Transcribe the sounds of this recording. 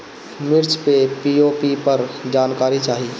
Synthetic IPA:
mɪɾt͡ʃpepiːoːpipəɾd͡ʒaːnkaːɾit͡ʃaːɦiː

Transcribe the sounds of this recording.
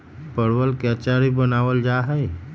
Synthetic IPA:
pəɽʋəlkeət͡ʃaɾibənaːʋəld͡ʒaɦəe

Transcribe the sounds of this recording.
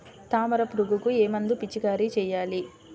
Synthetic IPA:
t̪aːmɐɾɐpɾuɡukueːmɐnd̪upit͡ʃːikaːɾit͡ʃɛːjaːli

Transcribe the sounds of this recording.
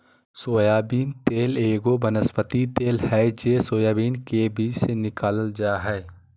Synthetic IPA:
soːjaːbiːnt̪eːleːɡobɐnəspət̪it̪eːlhɛd͡ʒeːsoːjaːbiːnkebiːt͡ʃsenɪkaːləld͡ʒaɦɛː

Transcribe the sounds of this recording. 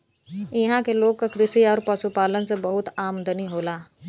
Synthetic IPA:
ɪɦãkeloːɡ̚kakɾɪsiɔːɾpəsupaːlənsebəɦʊt̪aːmd̪ʱəniɦoːlaː

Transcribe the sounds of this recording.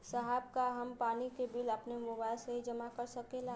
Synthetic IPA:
səɦab̚kaɦəmpaːnikebiləpnemʊbaɪlseɦid͡ʒəmakəɾsəkela

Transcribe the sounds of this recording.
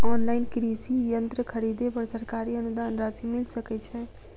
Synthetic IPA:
ɔːnlaːɪnkɾisijənt̪ɾəkʰəɾiːd̪epɐɾsəɾkaːɾiənʊd̪aːnɾasimɪlsəkɛt͡ʃʰɛ

